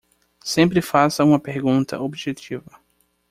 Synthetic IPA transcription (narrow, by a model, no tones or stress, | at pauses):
sẽmpɾɪfasɐũmɐpeɾɡũnt̪ʰɐ̰obʒet͡ʃivɐ